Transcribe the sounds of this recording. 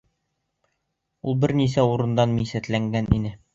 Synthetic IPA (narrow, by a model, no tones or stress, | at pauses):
ulˠbɘɾnisæuɾɤ̆nd̪ɑnmisæt̪læŋɡænḭnɘ